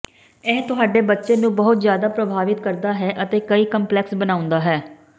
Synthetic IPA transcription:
ɛːɦt̪ʊɦaːɖeːbətːʃeːnũːbəɦʊt̪zjaːd̪aːpɾəbʱaːʋɪt̪kəɾd̪aːɦɛːʔət̪eːkəiːkəmplɛːksbənãːʊ̃nd̪aːɦɛː

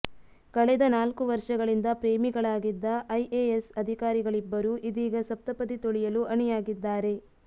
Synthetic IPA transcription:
kɐɭɛd̪ɐnaːlkuʋɐɾʂɐɡɐɭind̪ɐpɾeːmiɡɐɭaːɡid̪ːɐʔɐjʔeesɐd̪ʱikaːɾiɡɐɭibːɐɾuʔid̪iːɡɐsɐp̚t̪ɐpɐd̪it̪oɭijɐluʔɐɳijaːɡid̪ːaːɾe̞

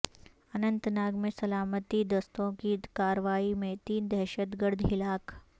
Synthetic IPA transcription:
ənənt̪naɡmesəlamət̪iːd̪əst̪õkiːkaɾʋaimet̪iːnd̪ɛɦɕət̪ɡəɽd̪ʱɦilak

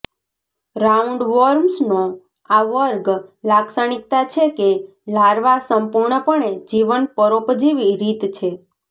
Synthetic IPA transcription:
ɾauɳɖʋɔɾmsno | aʋəɾɡlaksəɳ̃ik̚t̪at͡ʃʰeke | laɾʋasəmpuɾɳəpəɳed͡ʒiʋənpəɾopd͡ʒiʋiɾit̪t͡ʃʰe

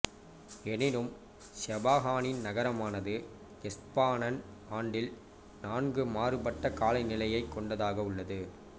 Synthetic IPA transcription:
ɛnɪɾɯm | sɐbaːɣaːnɪnnɐɣɐɾɐmaːnɐðɯ | ɛspaːnɐn | aːɳɖɪl | naːnɡɯmaːrɯbɐʈːɐkaːlɐɪnɪlɐjɐɪkːɔɳɖɐðaːɣɐʊɭːɐðɯ

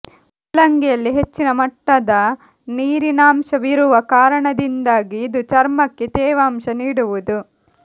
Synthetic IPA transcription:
lɐŋɡɛjɐlːiɦe̞t͡ʃːinɐmɐʈːɐd̪ɐ | niːɾinaːmʃɐʋiɾuʋɐkaːɾɐɳɐd̪ind̪aːɡiːd̪ut͡ʃɐɾmɐkːet̪ɛːʋaːmʃɐniːɽuʋud̪u

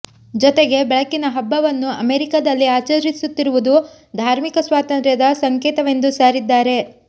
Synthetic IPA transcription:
d͡ʒɔt̪eɡe̞bɛɭɐkːinɐɦɐbːɐʋɐnːuɐmeːɾikad̪ɐlːiaːt͡ʃɐɾisut̪ːiɾuʋud̪u | d̪ʱaːɾmikɐsʋaːt̪ɐnt̪ɾjɐd̪ɐsɐŋkeːt̪ɐʋe̞nd̪usaːɾid̪ːaːɾe̞

